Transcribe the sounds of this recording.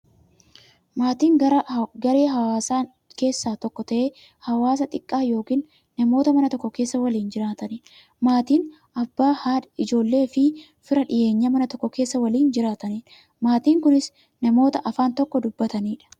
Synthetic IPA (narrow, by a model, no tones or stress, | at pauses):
maːt̪iːŋɡɐɾɡɐɾeːɦɐwaːsaː | ke̞ːsːaːt̪ɔkːɔt̪ɐʔeː | hɐwaːs̬ɐt̪ʼɪkʼːaːjo̞ːkiːnː | ɐmo̞ːt̪ɐmɐnɐt̪ɔkːɔke̞ːsːɐwɐliːnd͡ʒɪɾaːt̪ɐnin | maːt̪iːn | ɐbːaːhaːᶑɪd͡ʒo̞ːlːe̞ːfɪ | fɪɾɐᶑɪʔe̞ːɲːɐmɐnɐt̪ɔkːɔke̞ːsːɐwɐliːnd͡ʒɪɾaːt̪ɐniːn | maːt̪iːŋkʊnɪs | nɐmo̞ːt̪ɐʔɐfaːnt̪ɔkːɔd̪ʊbːɐt̪ɐniːᶑɐ̥